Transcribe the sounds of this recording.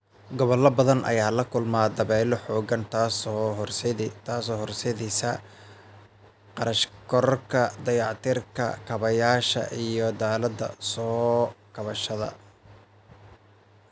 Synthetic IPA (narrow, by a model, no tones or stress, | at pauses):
ɡɔβɔlɐbɐðɐnʔɐ̰jaːlɐkʰʊlmaːd̪ɐβɛːlɔħɔːɡɐnt̪ʰːsrst̪ʰaːsɔːhɔrsɛðiːsɐ | qɑɾɐʃkʰɔɾɔrkʰɐd̪ɐjɑʕt̪ʰɪrkʰɐ̰kʰɐβɐjaːʃɐ̰ʔijɔd̪aːlɐd̪ɐ̰sɔːkʰɐβɐʃɐðɐ̰